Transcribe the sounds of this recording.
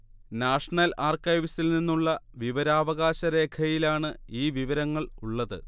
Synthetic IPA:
naːʂɐɳɐlaːrkɐjʋsilninːuɭːɐʋiʋɐɾaːʋɐɣaːɕɐɾe̞ːkʰɐjilaːɳɨiːʋiʋɐɾɐŋːɐɭuɭːɐðɨ̰

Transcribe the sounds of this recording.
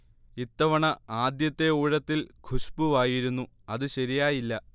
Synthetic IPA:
it̪ːɐʋɐɳɐaːd̪jɐt̪ːe̞uːɻɐt̪ːilkʰuɕpuʋaːjiɾunːu | ɐðɨɕɐɾijaːjilːɐ

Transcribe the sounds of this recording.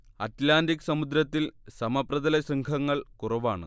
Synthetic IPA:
ɐtlaːndikːsɐmud̪ɾɐt̪ːilsɐmɐprɐðɐlɐɕrɐŋkʰɐŋːɐɭkurɐʋaːɳɨ̰

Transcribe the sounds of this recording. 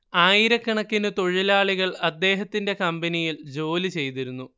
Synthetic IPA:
aːjiɾɐkːɐɳɐkːinɨt̪o̞ɻilaːɭiɣɐɭɐd̪ːe̞ːɦɐt̪ːinde̞kɐmbɐnijild͡ʑo̞ːlit͡ɕe̞jt̪iɾunːu

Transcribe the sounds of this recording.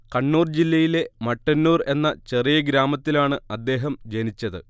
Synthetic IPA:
kɐɳːuːrd͡ʑilːɐjile̞mɐʈːɐnːuːre̞nːɐt͡ɕe̞rijɐɡɾaːmɐt̪ːilaːɳɨɐd̪ːe̞ːɦɐmd͡ʑenit͡ɕːɐðɨ̰

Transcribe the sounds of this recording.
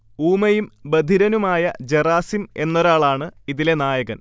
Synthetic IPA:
uːmɐjumbɐd̪ʱiɾɐnumaːjɐd͡ʑeraːsime̞nːɐɾaːɭaːɳɨiðile̞naːjɐɣɐn

